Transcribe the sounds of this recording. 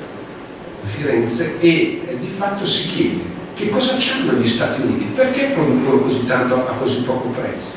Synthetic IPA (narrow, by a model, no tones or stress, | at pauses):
fiɾɛnt̪seed̪ifat̪ːosik̟jɛːd̪e | k̟ekːɔzat͡ʃːannoʎːist̪a̰ːt̪iunḭːt̪iperk̟epːɾod̪uonokozit̪ːant̪oʔakːozipːɔːkopɾɛ̰t̪sːo̥